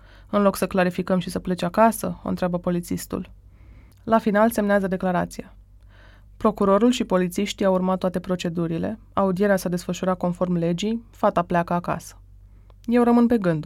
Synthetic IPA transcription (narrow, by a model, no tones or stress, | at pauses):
ɨnlo̞ksəklaɾifikəmʃisəple̞t͡ʃakasəo̰nt̪ɾeabəpo̞lit̪sist̪ṵl | lafinalse̞mneazəd̪e̞klaɾat̪sija | pɾo̞kuɾo̞ɾulʃipo̞lit̪siʃt̪iawurmat̪ːoat̪e̞pɾo̞t͡ʃe̞d̪uɾile̞ | aud̪ije̞ɾeasad̪e̞sfəʃuɾako̞nfo̞rmle̞d͡ʒijfat̪apleakəaka̰sə̥ | je̞wɾəmɨnpe̞ɡɨnd̪